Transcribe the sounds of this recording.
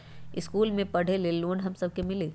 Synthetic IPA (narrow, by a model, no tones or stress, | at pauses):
ɪskuːlmẽpɐɽ̤eleloːnɦɐmsɐb̚kemɪleː